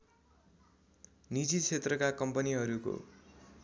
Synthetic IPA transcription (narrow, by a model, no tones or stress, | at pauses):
nid͡zit͡sʰet̪rʌkakʌmpʌniɦʌɾuko̰